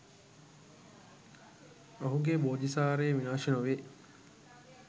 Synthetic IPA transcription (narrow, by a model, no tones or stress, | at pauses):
ɐɦuɡeboːd̪isaːɾeːʋinaːʃenoʋe